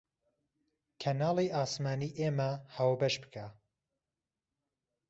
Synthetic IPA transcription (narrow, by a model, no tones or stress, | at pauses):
kʰɐnaːlˠiʔaːsmaːniːʔeːmɐhaːwbɐʃbɨ̥kʰa